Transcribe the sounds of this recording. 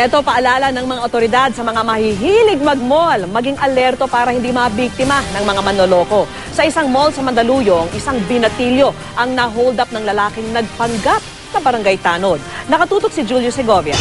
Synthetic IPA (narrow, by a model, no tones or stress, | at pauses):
ʔɛt̪o̞pɐʔɐlaːlɐnɐŋmɐŋaʔot̪oɾɪd̪ad̪̚sɐmɐŋamɐhiɦiːlɪɡ̚mɐɡ̚molmɐɡiŋʔɐlɛɾt̪o̞paːɾɐhɪnd̪imɐbik̚t̪ɪmɐnɐŋmɐŋamɐnolo̞ːko̞ | sɐʔɪsaŋmolsɐmɐnd̪ɐluːjoŋʔɪsaŋbɪnɐt̪iljo̞ | ʔɐŋnɐɦowld̪ɐp̚nɐŋlɐlaːkɪŋnɐɡ̚pɐŋɡap̚ | sɐbɐɾɐŋɡajt̪aːnod̪̚nɐkɐt̪uːt̪ok̚sɪd͡ʒuljosɛɡovɪɐ̰